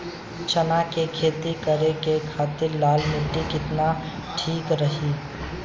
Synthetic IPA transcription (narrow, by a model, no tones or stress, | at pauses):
t͡ʃənakekʰeːt̪ikəɾekekʰaːt̪ɪɾlaːlmɪʈːikɪt̪na | ʈʰiːkɾəɦiː